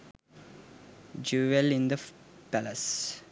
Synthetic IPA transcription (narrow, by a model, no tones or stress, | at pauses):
d͡ʒuːʋelĩnd̪əpæləs